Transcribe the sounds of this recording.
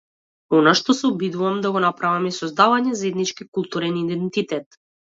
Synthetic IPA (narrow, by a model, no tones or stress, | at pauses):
ɔnaʃt̪ɔsɛɔbid̪uvamd̪aɡɔnapɾavamisɔzd̪avaɲɛzaɛd̪nit͡ʃkikulˠt̪uɾɛnid̪ɛnt̪it̪ɛt̪